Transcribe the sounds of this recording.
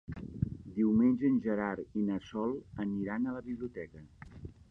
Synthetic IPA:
d̪iwmenʲʒəːnʲʒəɾaɾinəsɔlˠəniɾanələβiβliut̪ɛkə

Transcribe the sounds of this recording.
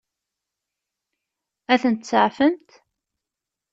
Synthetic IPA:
æθənt̪səʕfəmt̪

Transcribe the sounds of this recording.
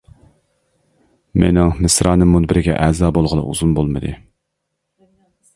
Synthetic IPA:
mḛnɪŋmɪsɾɑːnɨmːunbɪɾɪɡʲɛ̰ʔɛzɑːbolˠʁəlˠɑ̰ʔṵzunbolˠmɨd̪ɨ̰

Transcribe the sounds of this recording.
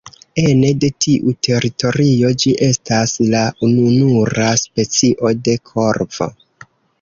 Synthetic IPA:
ene̞de̞tʰiʔutʰe̞ɾito̞ɾio̞d͡ʒiʔe̞staslaununuɾaspe̞t͡siʔo̞de̞kʰo̞ɾvo̰

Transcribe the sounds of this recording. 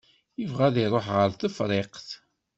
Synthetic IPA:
jəvʁæðiɾˤoħʁəɾθəfɾˤeqθ

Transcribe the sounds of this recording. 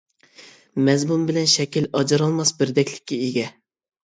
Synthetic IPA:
mɛzmumbɪlɛnʃɛkʲilɑd͡ʒɑɾɑlˠmɑsbɪɾd̪ɛkʲʰlɪ̥kʲːɛeɡʲɛ

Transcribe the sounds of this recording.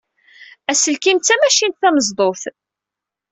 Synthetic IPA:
æsəlkimt͡sːæmæʃint̪θæməzd̪ˤoθ

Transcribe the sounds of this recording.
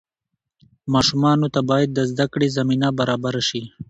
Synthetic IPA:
mɑʃumɑnot̪abɑjad̪̚ːəzd̪akɽezaminabaɾɑːbaɾaʃi

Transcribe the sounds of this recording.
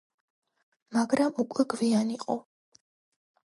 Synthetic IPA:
maɡɾamukʼwɛɡvianiqʼɔ

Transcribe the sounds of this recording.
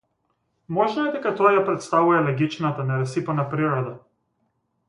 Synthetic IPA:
mɔʒnɔɛd̪ɛkat̪ɔajapɾɛt̪st̪avujɛlɛɡʲit͡ʃnat̪anɛɾɛsipanapɾiɾɔd̪a

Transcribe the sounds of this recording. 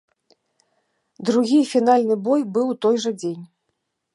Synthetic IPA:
d̪ɾuɣʲifʲin̪alʲnɨbɔjbɨwt̪ɔjʐɐd͡zʲenʲ

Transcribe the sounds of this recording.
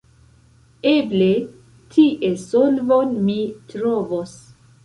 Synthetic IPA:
eble | tʰiʔesolvonmitɾovos

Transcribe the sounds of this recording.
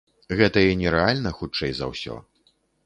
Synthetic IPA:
ɣɛt̪ɐinʲɛɾɛalʲnɐxut͡ʂɛjzɐ̰wsʲɔ̰

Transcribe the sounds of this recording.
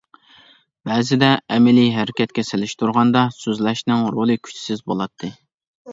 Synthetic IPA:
b̥ɛːzɪd̪ɛɛmɪliɦɛɾɪkʲʰɛt̪̚kʲɛsɪlɪʃt̪ʰuɾʁɑnd̪ɑsøzlɛʃnɪŋɾolˠɨkʲʰy̥t͡ʃʰsɪzbolˠɑt̪ʰːɨ

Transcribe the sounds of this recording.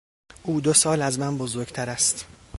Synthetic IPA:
ʔuːd̪osɒːlæzmænbozoɾɟt̪ʰæɾæst̪

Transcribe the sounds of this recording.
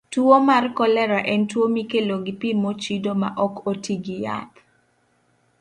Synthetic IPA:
twomarkɔlɛɾaʔɛntwomikeloɡipimot͡ʃidomaʔɔkotiɡija̰p̪

